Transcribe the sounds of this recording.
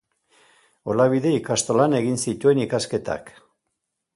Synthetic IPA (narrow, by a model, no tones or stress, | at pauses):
o̞laβiðe̞ikast̪olane̞ɣinsit̪ue̞nikaske̞t̪a̰k